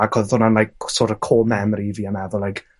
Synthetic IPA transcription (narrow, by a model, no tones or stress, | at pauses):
akʰɔðʊnanlajksoːɾəkʰoːmɛmɾiviːanɛðʊlajk